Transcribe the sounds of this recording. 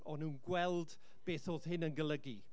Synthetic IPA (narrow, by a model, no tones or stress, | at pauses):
ɔnuːnɡwɛlˠd | b̥eːθoːð̥ɦɪnənɡəlˠəɡi